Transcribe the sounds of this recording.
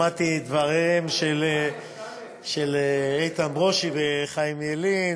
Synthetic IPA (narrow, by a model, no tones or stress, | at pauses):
at̪id̪vaʁimʃel | ʃeleejt̪anbʁoʃibeχajimelin